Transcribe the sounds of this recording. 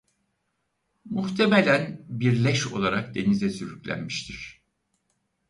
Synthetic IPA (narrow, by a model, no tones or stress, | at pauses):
muxt̪ʰemelʲænbiɾlʲɛʃo̞̰lˠaɾak̚d̪e̞nizɛsyɾyclʲæ̰nmiʃt̪ʰiɾ̥